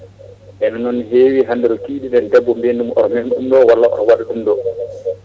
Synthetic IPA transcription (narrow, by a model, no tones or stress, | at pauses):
ʔɛnanɔnːiɦeːwiɦandɛɾɔkiːɗindɛndɛbːɔmbendumɔ̰ɾɔmɛnɗumdɔwalːaɔ̰ɾɔwaɗaɗumdɔ